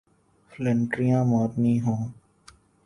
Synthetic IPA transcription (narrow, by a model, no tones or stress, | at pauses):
fʰləɳʈɾijãːmɔːt̪nĩːɦõː